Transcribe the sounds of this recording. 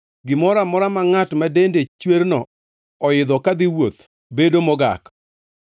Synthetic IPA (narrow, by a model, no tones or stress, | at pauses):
ɡɪmɔɾamɔɾamaŋatmadendet͡ʃweɾnɔ | ɔɪd̪ɔkad̪ɪwot̪ | bedomɔɡa̰k